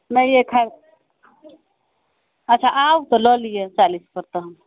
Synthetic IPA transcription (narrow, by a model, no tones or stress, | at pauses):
nəijekʰa | ətːt͡ʃʰaʔawt̪ɔlɔlijet͡ʃalispəɾt̪əɦən